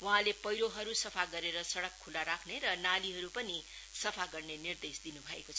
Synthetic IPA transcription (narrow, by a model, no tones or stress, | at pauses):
wʌ̃ɦãlepʌjɾoɦʌɾusʌpʰaɡʌɾeɾʌsʌɽʌkʰːulaɾakʰneɾʌnaliɦʌɾupʌni | sʌpʰaɡʌrnenird̪esd̪inubʱʌekot͡sʰʌ